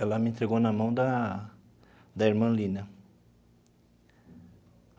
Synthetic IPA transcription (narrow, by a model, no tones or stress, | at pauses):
ɛlɐmɪẽnt̪ɾeɡownɐmɐ̃w̃d̪ɐ | d̪ɐiɾmɐ̃lĩnɐ